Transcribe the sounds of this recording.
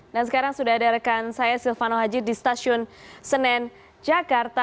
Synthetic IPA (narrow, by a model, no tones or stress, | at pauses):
dansəkaɾaŋsudahadaɾakansajasilfanoɦad͡ʒidist̪asiʊnsənɛn | d͡ʒakart̪a